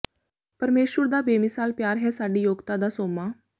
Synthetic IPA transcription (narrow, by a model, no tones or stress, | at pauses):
pəɾmeːʃʋəɾd̪aːbeːmɪsaːlpjaːɾɦɛːsaːɖiːjoːɡt̪aːd̪aːsoːmaː